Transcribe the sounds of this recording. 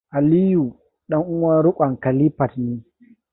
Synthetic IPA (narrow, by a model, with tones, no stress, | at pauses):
ʔa˨li˦ju˨ | ɗɐ˦ŋʔʊ˦mɐ˦ɾʊ˦kʷʼa˨ŋka˨li˦pa˨tniː˦